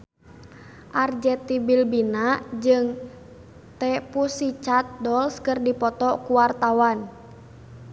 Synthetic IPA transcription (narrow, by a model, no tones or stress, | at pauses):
ʔard͡ʒɛt̪ibilbinad͡ʒɨŋ | t̪ɛpusit͡ʃat̪̚dɔlskərdipɔt̪ɔkuwart̪awan